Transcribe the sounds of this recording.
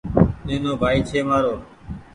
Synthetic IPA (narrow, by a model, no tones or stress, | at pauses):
neːnoːbʱaːiːt͡ʃʰeːmaːɾoː